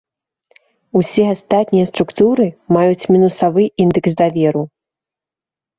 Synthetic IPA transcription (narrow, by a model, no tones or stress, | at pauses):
usʲɛast̪at̪nʲijɐst̪ɾukt̪uɾɨmajut͡sʲmʲinusavɨind̪ɨksd̪avʲɛɾu